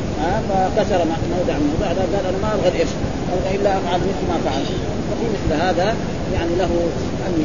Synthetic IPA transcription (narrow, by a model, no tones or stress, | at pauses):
hafaxt̪asɑɾˤmaʕʔnːawd̪ˤaʕmubaʕd̪aɡaːlʔanamaʔɑbˤɣɑlʔeʃ | ʔɑbɣɑʔɪlːaʔafʕalmɪθlmaʔfʕal | fafimɪθlɦaːða | jaʕnilaɦu | ʔam